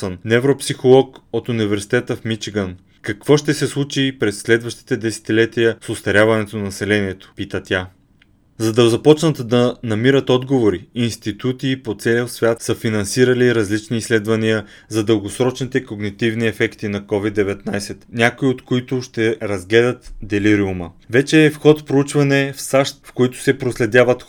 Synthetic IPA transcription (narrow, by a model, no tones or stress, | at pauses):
ənnɛvɾopsixolˠɔkot̪univɛɾsi̥t̪ɛt̪əfmit͡ʃiɡən | kɐkvɔʃt̪ɛsɛslˠut͡ʃipɾɛsːlɛd̪vɐʃt̪i̥t̪ɛd̪ɛsɛ̥t̪ilɛt̪ijəsost̪ɐɾʲjavɐnɛt̪onɐnɐsɛlɛniɛt̪o̥pit̪ət̪ʲa | zɐd̪ɐzɐpɔt͡ʃnət̪d̪ɐnɐmiɾət̪ɔd̪ɡovoɾiinst̪it̪ut̪iːpot̪sɛlisvʲat̪səfinɐnsiɾɐliɾɐzlit͡ʃniːslɛd̪vɐniə | zɐd̪əlˠɡosɾɔt͡ʃnit̪ɛkoɡnit̪ivniɛfɛkt̪inɐkɔvid̪ːɛvɛt̪najsɛt̪nʲakoiot̪koit̪ʊʃt̪ɛɾɐzɡlɛd̪ət̪d̪ɛliɾiuməvɛt͡ʃɛːfxɔt̪fpɾout͡ʃvɐnɛfsaʃt̪fkoit̪ʊ̥sɛpɾoslɛd̪ʲjavət̪